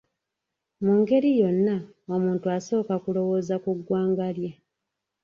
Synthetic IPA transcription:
muŋɡe̞ɾijo̞nːa | omuːntuaso̞ːkakulo̞wo̞ːzakuɡwaːŋɡalja

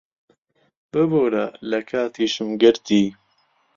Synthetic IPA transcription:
bɨboːɾalɐkʰaːt̪iːʃɨmɡɨɾt̪iː

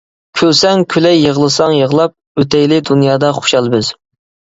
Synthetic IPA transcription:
kʲʰølsɛŋkʲʰylɛjːəʁlˠɨsɑŋjəʁlˠɑp̚ | øt̪ɛjlɪd̪unjɑːd̪ɑχo̥ʃɑlˠbɪz̥

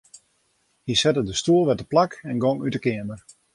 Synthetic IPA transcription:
hisɛtədəstuəlˠʋɛtəplakɛnɡoŋytəkɪəmər

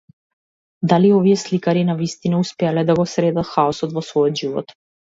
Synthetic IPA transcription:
d̪aliɔviɛslikaɾinavist̪inauspɛalɛd̪aɡɔsɾɛd̪at̪xaɔsɔt̪vɔsvɔjɔt̪ʒivɔ̰t̪

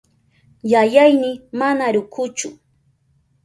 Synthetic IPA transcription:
jajajnɪmanaɾʊkʊt͡ʃʊ

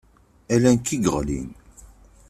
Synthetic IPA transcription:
ælænkiɡəʁlḭn

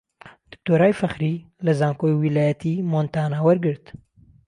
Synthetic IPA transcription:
d̪̥ɨ̥k̚t̪oːɾaːjfɐxɾilɐzaːŋkojwilaːjɐt̪ʰimont̪aːnawɐɾɡɨɾt̪

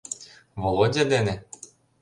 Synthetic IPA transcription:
volˠodʲed̪enĕ

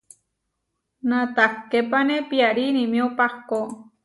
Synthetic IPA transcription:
nãt̪akepanẽpiaɾinĩmĩopako

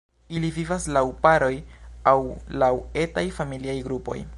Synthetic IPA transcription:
ilivivaslawpaɾo̞jawlawe̞tajfamiliajɡɾupo̞̰j

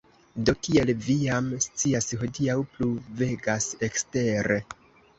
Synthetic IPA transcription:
do̞kie̞lviamst͡siasho̞diawpluve̞ɡase̞kste̞ɾe̞

